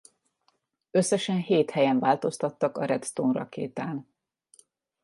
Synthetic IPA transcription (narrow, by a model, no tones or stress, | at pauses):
øsːɛʃɛnheːt̪hɛjɛɱvaːlt̪o̞st̪ɒt̪ːɒkɒɾɛt̪st̪onrɒ̰kḛːt̪aːn